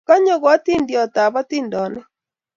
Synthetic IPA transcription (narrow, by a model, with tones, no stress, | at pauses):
ka˦ɲɔ˦ɣwa˦ti˦ndjɔ˨t̪a˨ba˦t̪i˦ndɔ˨nɛ˦